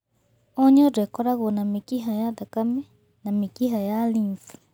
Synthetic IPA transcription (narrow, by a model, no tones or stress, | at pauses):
ɔɲɔdekɔɾaɣonamekiɦajaðakamɛ | namikiɦajalinθ